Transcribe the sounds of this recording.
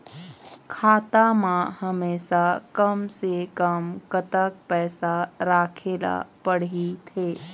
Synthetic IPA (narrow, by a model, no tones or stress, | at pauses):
kʰaːt̪amãhəmeːʃakəmsekəmkət̪əkpɛːsaɾaːkʰeːla̰pəɽit̪ʰeː